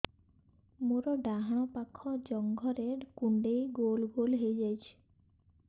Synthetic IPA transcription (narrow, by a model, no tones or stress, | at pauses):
moɾɔɖaɦaɽ̃ɔpakʰɔd͡ʒɔŋɡʱɔɾekuɳɖejɡolɡolɦejd͡ʒajt͡ʃʰi̥